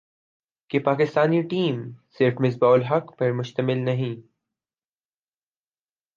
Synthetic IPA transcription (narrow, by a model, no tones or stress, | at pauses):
kepaːkɪst̪aːniʈiːmsɪɾfmɪs̬baːʊlɦɐkpɐɾmʊʃt̪əmɪlnɐɦĩ